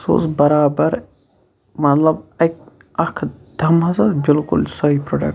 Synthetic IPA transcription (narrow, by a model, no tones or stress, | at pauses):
so̰sbɐɾaːbɐɾ | mɐt̪lɐbɐjk̚ | ɐkʰd̪ʱɐmɐsɐbilkṵlsɐɦipɾoɖɐ̰k